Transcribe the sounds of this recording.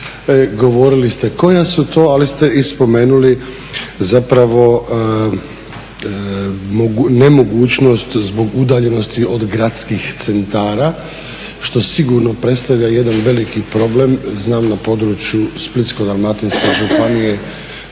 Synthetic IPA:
ɡo̞ʋo̞ɾilist̪e̞ko̞jasut̪ʰo̞ːalist̪e̞ispo̞me̞ːnuli | zapɾaʋo̞ | moɡnemo̞ɡuːt͡ʃno̞st̪zbo̞ɡud̪aːʎe̞no̞st̪io̞d̪ɡɾat̪skixt̪se̞nt̪aːɾa | ʃt̪o̞siɡuɾno̞pɾet̪st̪aʋʎaje̞d̪anʋe̞likipɾo̞ble̞mznaːmnapo̞d̪ɾut͡ʃjusplit̪sko̞d̪almat̪inskeʒupanije

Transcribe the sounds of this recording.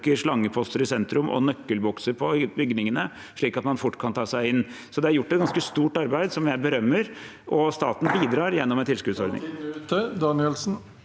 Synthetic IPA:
kəɾʂɭɑŋːəpʰɔst̪əɾɪsɛnt̪ɾʉmʔɔ̰nœkːəlbɔksəɾpʰɔbʏɡnɪŋənə | ʂɭiːkɑt̪mɑnfʊʈːkʰɑnt̪ʰɑːsæɪɪnː | sɔd̪ɛæɾjʊʈːɛt̪̚ɡɑnskəst̪uːʈɑɾbæɪd̪sɔmjæɪbəɾœmːəɾ | ʔɔst̪ɑ̰ːt̪n̩biːd̪ɾɑːɾjɛnːɔmɛnt̪ʰɪlskʉːd̪sɔɾd̪nɪ̰ŋəd̪ɑnɪɛlsn̩

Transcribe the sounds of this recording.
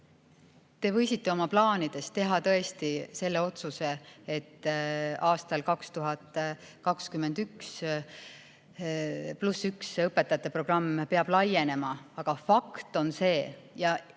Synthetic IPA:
t̪e̞vɤ̞jsit̪ːe̞o̞mɑplɑːnid̪̥e̞st̪t̪e̞ɦɑt̪ɤ̞e̞st̪ise̞lːe̞o̞t̪suse̞et̪ːɑːst̪ɑlkɑkst̪uɦɑt̪ːkɑkskymːe̞nd̪̥yks | plusːyksɤpːˑe̞t̪ːˑɑjɑt̪ːˑe̞pro̞ɡ̥rɑmːpe̞ɑb̥lɑje̞ne̞mɑɑɡ̥ɑfɑkt̪o̞nse̞ːjɑ

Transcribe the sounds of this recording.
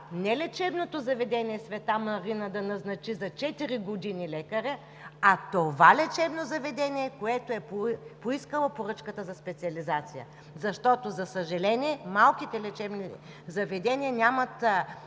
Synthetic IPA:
nɛlɛt͡ʃɛbnot̪ozɐvɛd̪ɛnʲiɛsvɛt̪amɐɾinəd̪ɐnɐznɐt͡ʃizɐt͡ʃɛt̪iɾiɡod̪inilɛkɐɾɛ | ɐt̪ovalɛt͡ʃɛbnozɐvɛd̪ɛniɛkoɛt̪oɛpoiskəlˠopoɾɤt͡ʃkət̪əzɐspɛt̪siɐlizat̪sijə̰ | zɐʃt̪ɔt̪ozɐsəʒɐlɛniɛmalˠkit̪ɛlɛt͡ʃɛbni | zɐvɛd̪ɛniɐnʲamɐt̪

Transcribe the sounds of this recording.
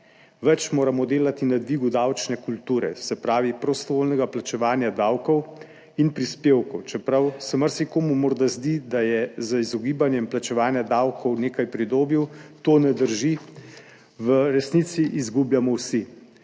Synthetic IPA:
ʋɛt͡ʃmoːɾamɔd̪eːlat̪inad̪ʋiːɡud̪awt͡ʃnɛkult̪uːɾɛ̰sɛpɾaːʋipɾɔst̪ɔʋoːlnɛɡaplat͡ʃɛʋaːnjad̪awkɔw | inpɾispeːwkɔwt͡ʃɛpɾawsɛmaɾsikoːmumɔɾd̪azd̪id̪ajɛzəizɔɡiːbanjɛmplat͡ʃɛʋaːnjad̪awkɔwneːkajpɾid̪oːbiwt̪oːnɛd̪əɾʒi | ʋəɾɛsnit̪siʔːzɡubjamɔwsi

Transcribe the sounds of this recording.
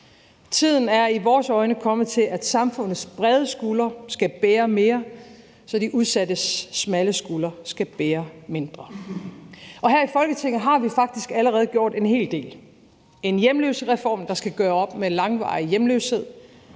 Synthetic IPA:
t͡sʰið̞̰ˠn̩æɐiʋɒːsɒ̽ɪnəkʰɒ̽mðˠt͡sʰe̝læd̥sɑ̈mfɔ̽n̰ð̩ˠsb̥ʁɛð̞ˠəsɡ̥ulɐsɡ̥æb̥eːɐme̝ːɐ | sɒ̽diʔuð̞ˠsædəsmæləsɡ̥ulɐsɡ̥æb̥eːɐme̝nd̥ʁɐ | ɒ̽ɦæɐ̰ifɒ̽lɡ̥ət͡sʰe̝ŋ̰ð̩ˠɦɑ̈ʋifɑ̈ɡ̥̚d̥isɡ̥æləʁɛːð̞̩ˠɡ̥jo̝ɐ̰d̥e̝nɦe̝̰ːld̥e̝̰ːl | e̝njemleːʊsəʁɛfɒ̰ːmd̥ɑ̈sɡ̥æɡ̥ɶːɐɒ̽b̥melɑ̈ŋʋɑ̰̈ːijemløʊshe̝ð̞̰ˠ

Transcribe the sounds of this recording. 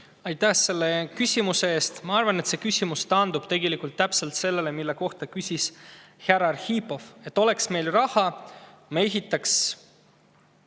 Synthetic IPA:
ɑjt̪ːæhse̞lːe̞kysʲimuseeːst̪mɑɑrvɑne̞t̪sekysʲimust̪ɑnd̪ub̥t̪e̞ɡe̞likˑult̪ːæpse̞lt̪se̞lːe̞le̞milːe̞ko̞ht̪ɑkysʲisheɾɑrhipːo̞fe̞t̪ˑːo̞le̞ksme̞jlrɑhɑmeɦit̪ːˑɑks

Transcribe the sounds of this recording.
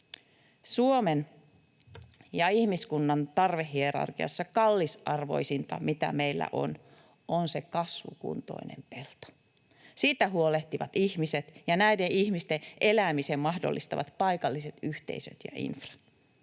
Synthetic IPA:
suomen | jɑihmiskunːɑnt̪ɑrʋehːieɾɑ̰rkiɑ̰sːɑkɑlːisʔɑrʋo̞̰isint̪ɑ̰mit̪æ̰meilːæ̰ʔo̞̰n | ʔonsekɑsʋṵkṵnt̪o̞̰inḛmpelt̪o̥ | siːt̪æɦuoleht̪iʋɑt̪içmiset̪jɑnæideʔiçmist̪eʔelæːmisemmɑhdo̰lːist̪ɑʋɑ̰t̪pɑikɑlːiset̪yht̪e̞̰isø̰t̪jɑ̰ʔḭnfrɑ̥t̪

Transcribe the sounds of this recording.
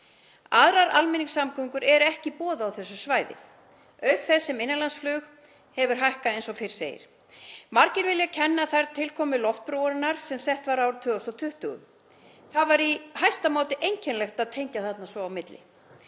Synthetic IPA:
aðɾaɾalmɛniŋsamkʰʏŋkʏɾɛɾʏɛhcɪpɔːðaawθɛsːʏ̥svaːjðɪ̰ | œɥkθɛsːɪmɪnːɪnlansflʏːx | hɛvʏɾ̥ɦajhkaejnsɔfɪɾ̥seːjɪ̰ɾ̥ | maɾcɪɾvɪljacʰɛnːaθajɾt̪ʰɪlkʰɔːmɪlɔft̪̚pɾowɾɪnaɾ̥sɛmsɛht̪vaɾawɾt̪ʰʏːɣɔst̪ɔt̪ʰʏht̪ʏɣʏ̰m | θaðvaɾihajst̪amoːwt̪ɪʔejɲcʰɛnlɛxt̪aðt̪ʰejɲcaθat̪nasvɔawmɪt̪lɪ̰

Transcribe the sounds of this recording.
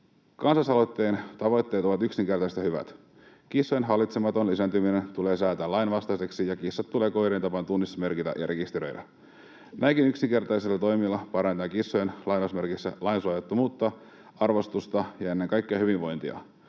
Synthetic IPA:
kɑnsɑsɑlot̪ːe̞ːnt̪ɑʋo̞jt̪ːe̞t̪o̞ʋɑt̪yksiŋk̟e̞rt̪ɑjset̪jɑhyʋæ̰t̪ | k̟isːojenɦɑlːˑit̪semɑt̪o̞nlisænt̪yminent̪ule̞ːsæːt̪ælɑjnʋɑst̪ɑjseksijɑkisːɑt̪ːuleːkojɾent̪ɑpɑnt̪unːisːme̞rkit̪æ̰ʔjɑ̰ɾʔe̞kist̪eɾø̞̰jdæ̰ | næikinyksiŋke̞rt̪ɑjsilːɑt̪o̞jmilːɑpɑɾɑnt̪ɑkisːojenlɑjnosme̞rkisːæ̰lɑijnsuɑjet̪ːumuːt̪ːɑ | ɑrʋo̞st̪ust̪ɑjɑe̞nːeŋkɑjkːeɑhyʋiʋʋo̞jnt̪iɑ̰

